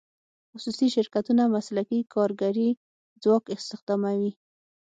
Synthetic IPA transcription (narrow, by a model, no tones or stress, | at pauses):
xʊsusiʃɪɾkat̪unamaslakikʰɑɾɡaɾi | d͡zwɑkɪst̪ɪxd̪ɑmawi